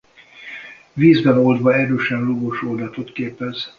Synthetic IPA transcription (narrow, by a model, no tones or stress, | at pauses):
viːzbɛnold̪vɒɛɾøːʃɛnloɡoʃold̪ɒt̪o̞t̪keːpɛz̥